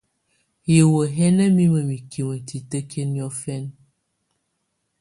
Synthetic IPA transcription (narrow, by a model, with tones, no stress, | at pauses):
je˨wo˨ɦɛ˦nə˦mi˦mə˨mi˨ki˨mə˨ti˨tə˦ke˦njɔ˦fɛ˦n